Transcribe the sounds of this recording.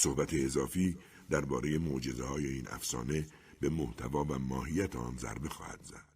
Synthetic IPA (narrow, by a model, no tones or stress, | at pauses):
so̞hbæt̪ʰeːzɒːfiː | d̪æɾbɒːɾe̞je̞mod͡ʒe̞zehɒːje̞iːnʔæ̰fsɒ̰ːne̞ | be̞moht̪ʰævɒːvæmɒːɦijæt̪ʰeɒ̰ːnzæ̰ɾbe̞xɒ̰ːhæ̰d̪̥z̥æ̰d̪̥